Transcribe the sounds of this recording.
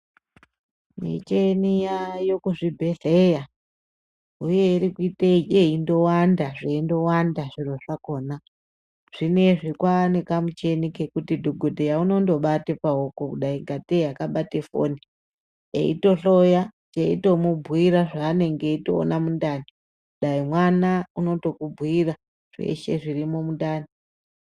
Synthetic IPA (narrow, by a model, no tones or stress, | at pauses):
mḭt͡ʃenijajo̞kuʐibʱe̞ɮeja | ujeiɾikuiteieindo̞wandaʐeindo̞wandaʐiroʂako̞ːna | ʐ̥ine̞ʐikwanekamut͡ʃenike̞kutidʱoɡʱodʱejauno̞ndo̞ɓatepaokokuɗaiŋɡatejakaɓatefo̰ni | ḛḭto̞ɬo̞jat͡ʃeito̞mubʱwiɾaʐaːne̞ŋɡeito̰ːnamundani | kuɗaimwanauno̞to̞kubʱwira | ʐ̥e̞̰ʃe̞ʐirimo̞mundaːni